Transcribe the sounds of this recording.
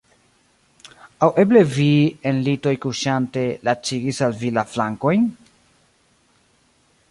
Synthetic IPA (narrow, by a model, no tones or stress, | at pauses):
awʔe̞ble̞vienlito̞jkuʃante̞lat͡ʃiɡisalvilaflaŋko̞jn